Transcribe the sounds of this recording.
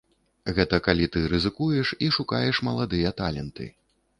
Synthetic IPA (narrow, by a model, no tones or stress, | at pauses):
ɣɛt̪ɐkalʲit̪ɨɾɨzɨkujɛʂiʂukajɛʂmɐlˠad̪ɨjɐt̪alʲɛnt̪ɨ̰